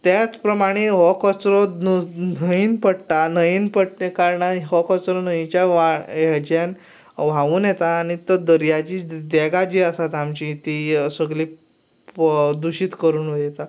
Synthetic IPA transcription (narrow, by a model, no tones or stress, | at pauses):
t̪jat͡spɾəmaɽ̃eɦɔkɔt͡sɾɔnnəiːnpəɽʈ̪anəiːnpəɽkaɾɳaɦɔkɔt͡sɾɔnəĩt͡ɕjaʋajɛd͡ʑjãn | ʋ̤aʋuːnjɛt̪aːɽ̃it̪əd̪əɾjad͡ʑid̪ɛɡad͡ʑiəsat̪amt͡ɕit̪isəɡli | d̪uɕiːt̪kəɾuːnʋəjɛt̪a